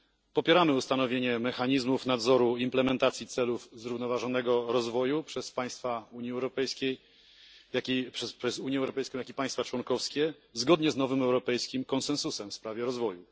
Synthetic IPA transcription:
pɔpʲjɛɾamɘust̪an̪ɔvʲjeɲɛmɛxaɲizmufnad̪zɔɾuimplɛmɛnt̪at̪sʲjit̪sɛlufzɾuvnɔvaʐɔnɛɡɔɾɔzvɔjupʂɛspaj̃st̪fauɲiɛwɾɔpɛjskʲej | jakʲipʂɛʂɛzuɲɛwɾɔpɛjskɔ̃jakʲipaj̃st̪fat͡ʂwɔŋkɔfskʲɛ | zɡɔd̪ɲɛznɔvɘmɛwɾɔpɛjskʲimkɔnsɛ̃nsusɛmfspɾavʲjɛɾɔzvɔju

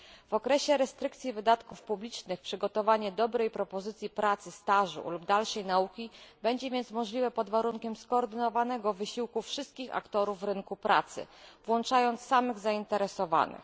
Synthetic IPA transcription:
v̥ɔkɾɛɕɛɾɛst̪ɾɘk̚t̪sʲivɘd̪at̪kufpublʲit͡ʂnɘxpʂɘɡɔt̪ɔvaɲɛd̪ɔbɾɛjpɾɔpɔzɘt̪sʲipɾat̪sɘst̪aʐṵlubd̪alʂɛjnaukʲibɛɲd͡ʑɛvʲjɛnt̪smɔʐlʲivɛpɔd̪vaɾuŋkʲɛmskɔːɾd̪ɘnɔvanɛɡɔvɘɕiwkufʂɘst̪̚kʲixa̰kt̪ɔɾuvːɾɘŋkupɾa̰t̪sɘ̰vwɔnt͡ʂajɔnt̪sːamɘɣzaint̪ɛɾɛsɔva̰nɘ̰x

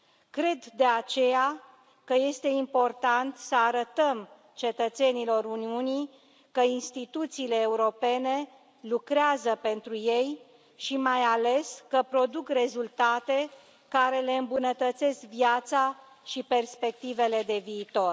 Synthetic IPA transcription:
kɾe̞d̪d̪e̞at͡ʃe̞ja | kəje̞st̪e̞impo̞rt̪ant̪səaɾət̪əm | t͡ʃe̞t̪ət̪se̞nilo̞ɾuniuni | kəinst̪it̪ut̪siːle̞ːuɾo̞pe̞ne̞ | lukɾeazəpe̞nt̪ɾuje̞j | ʃimajale̞skəpɾo̞d̪ukre̞zult̪at̪e̞ | kaɾe̞le̞ɨmbunət̪ət̪se̞skviat̪sa | ʃipe̞rspe̞k̚t̪ive̞le̞d̪e̞viːt̪o̞r

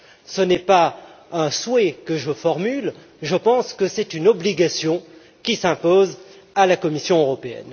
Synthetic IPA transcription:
sənɛpa | ɛ̃swɛkəʒəfɔʁmyl | ʒəpɑ̃skəsɛt̪ynɔbliɡasjɔ̃ | kʲisɛ̃poz | alakɔmisjɔ̃øʁɔpeɛ̰n

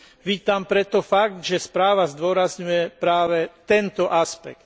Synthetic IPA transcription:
ʋiːt̪ampɾɛt̪ɔfaɡ̚t̪ʒɛspɾaːʋazd̪ʊɔɾazɲujɛpɾaːʋɛt̪ɛnt̪ɔʔaspɛ̰k̚t̪

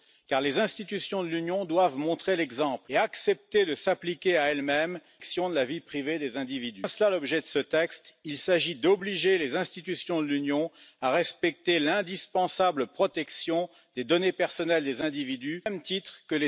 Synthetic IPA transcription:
kaʁlezɛ̃st̪it̪ysjɔ̃d̪əlynjɔ̃d̪wavmɔ̃t̪χelɛɡzɑ̃pleaksɛp̚t̪ed̪əsaplikʲeaɛlmɛm | ksjɔ̃d̪əlavipχived̪ezɛ̃d̪ivid̪ysəlalɔbʒɛd̪əsət̪ɛkst̪ilsaʒid̪ɔbliʒelezɛ̃st̪it̪ysjɔ̃d̪əlynjɔ̃aʁɛspɛk̚t̪elɛ̃d̪ispɑ̃sabləpχɔt̪ɛksjɔ̃ | d̪̥ed̪ɔnepɛʁsɔnɛld̪ezɛ̃d̪ivid̪ymt̪it̪χkəle

